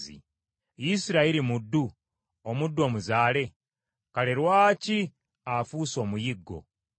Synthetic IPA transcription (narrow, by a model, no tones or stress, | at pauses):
ḭ | jisiɾaiɾimudːu | omudːuo̞ːmuzaːle̞ | kaleɾwaːci | afuːso̞ːmujiɡːo̞̰